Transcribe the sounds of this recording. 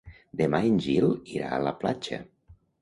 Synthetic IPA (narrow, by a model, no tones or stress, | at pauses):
d̪emainʲʒilˠiɾa̰ələplat͡ʃə̰